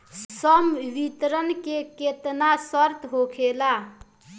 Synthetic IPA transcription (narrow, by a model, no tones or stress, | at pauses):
sʌmʋit̪ɾənkeket̪nasʌɾt̪ɦokʰela